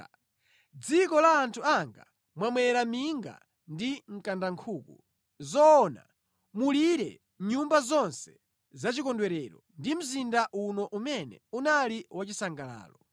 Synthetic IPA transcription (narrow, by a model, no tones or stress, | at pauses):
d͡zikɔlaːntʰuaŋɡa̰ | mwamwɛɾamiŋɡa̰ | ndiŋ̩kandaŋkʰuːku | zɔːna̰ | muliɾɛ̰ | ɲumbazɔnsɛ̥ | zat͡ʃikɔndwɛɾɛɾɔndim̩zindaʔunɔʔumɛnɛ̰unaliwat͡ʃisaŋɡala̰ːlɔ